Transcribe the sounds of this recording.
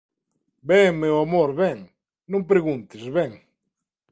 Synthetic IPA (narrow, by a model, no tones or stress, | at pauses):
beŋmewamoɾβɛŋ | nõmpɾeɣũnt̪ɪzβeŋ